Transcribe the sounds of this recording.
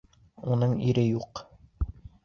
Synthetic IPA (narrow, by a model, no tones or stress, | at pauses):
unɤɴiɾɘjuq